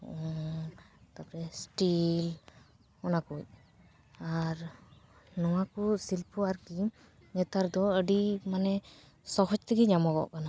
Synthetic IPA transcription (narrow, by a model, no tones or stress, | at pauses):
ɔ | t̪apɾɛsʈil | ɔnakuc̚ | aɾ | nɔwakusilpʰuaɾki | ɲɛt̪aɾd̪ɔəɖimanɛ | sɔɦɔd͡ʒt̪iɡid͡ʒamɔɡɔ̰ʔkana